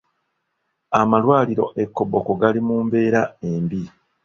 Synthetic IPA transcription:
amalwaːliɾo̞̰ʔe̞kːo̞bokoɡalimuːmbe̞ːɾae̞mbi

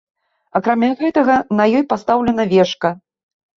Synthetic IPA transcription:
ɐkɾamʲaɣɛt̪ɐɣɐnɐjɔjpast̪awlʲɛn̪ɐvʲɛʂkɐ

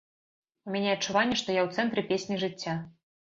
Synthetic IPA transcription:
umʲanʲɛɐt͡ʂːuvanʲːɛʂt̪ɔjawt̪sɛnt̪ɾɨpʲesʲnʲiʐɨt͡sʲːa

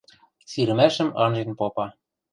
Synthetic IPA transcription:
siɾɘ̆mæʃɘ̆mɑ̰nʒenpopɑ

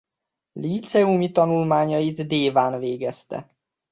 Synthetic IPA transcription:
liːt̪sɛumit̪ɒnulmaːɲɒjit̪d̪eːvaːnveːɡɛst̪ɛ̰

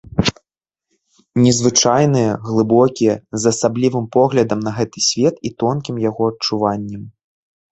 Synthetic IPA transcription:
nʲɛzvɨt͡ʂajnɨjɐɣlˠɨbɔkʲijɛzɐsablʲivɨmpɔɣlʲɐd̪ɐmnɐɣɛt̪ɨsʲvʲɛt̪it̪ɔnkʲimjaɣɔɐt͡ʂuvanʲːɛm

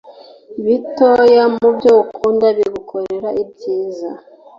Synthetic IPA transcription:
βitojamubɟoukʰuːndaβiɡukʰoɾe̞ɾaibɟiːza

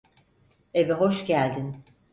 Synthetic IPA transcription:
evɛɦo̞ʃɟælʲd̪in

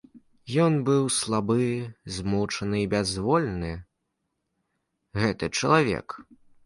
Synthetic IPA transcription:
jɔnbɨwslˠabɨzmut͡ʂɐnɨibʲɛzvɔlʲnɨ | ɣɛt̪ɨt͡ʂɐ̰lˠavʲɛ̰k

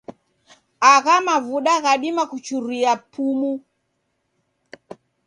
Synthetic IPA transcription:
aɣamavuɗaɣaɗimakut͡ʃuɾiapʰumu

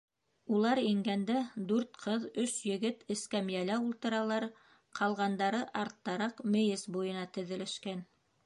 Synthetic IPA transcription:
ulˠɑɾiŋɡænd̪æd̪ʉɾt̪̚qʰɤðɵʃjɘ̆ɡɘt̪ɘ̆skæmjælæulˠt̪ɤ̆ɾɑlˠɑɾ | qʰɑlˠʁɑnd̪ɑɾɤʔɑɾt̪ːɑɾɑqmɘ̆jɘsbujɤ̆nɑt̪ɘ̆ðɘ̆lɘ̆ʃkæn

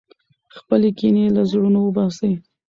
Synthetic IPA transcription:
xpəlekinelazɽunowəbɑsəj

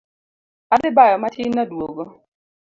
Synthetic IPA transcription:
adɪbajɔmatʰɪnːadwoɡo

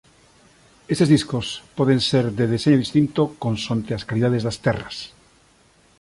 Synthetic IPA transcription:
est̪ezðiskospɔðẽnseɾd̪eðeseɲoðist̪int̪okõnsõnt̪easkaliðaðezðast̪ɛras

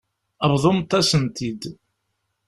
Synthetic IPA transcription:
əβðˤomt̪ːɑsənt̪id̪

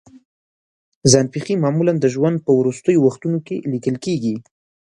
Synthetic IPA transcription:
zɑnfiximɑmuland̪əʒwand̪̚pəwɾust̪əjowaxt̪unokelikəlkeɡi

